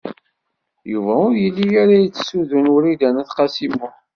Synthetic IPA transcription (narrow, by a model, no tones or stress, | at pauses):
juvæʊɾjəlːijaɾajət͡sːsuðunʊɾid̪ænæθqɑsimʊ